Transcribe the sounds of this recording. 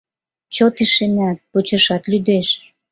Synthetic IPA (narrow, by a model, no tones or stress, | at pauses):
t͡ɕot̪iʃenæt̪̚pot͡ɕə̆ʃɑt̪lyd̪eʃ